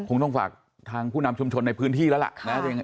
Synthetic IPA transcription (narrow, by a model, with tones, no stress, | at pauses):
kʰo˧ŋt̪ɔ˥˩ŋfa̰ː˨˩k̚ | t̪ʰaː˧ŋpʰuː˥˩na˧mt͡ɕʰu˧mt͡ɕʰo˧nːa˧jpʰɯː˦˥nt̪ʰiː˥˩ɛː˦˥la̰˨˩ʔna˦˥˧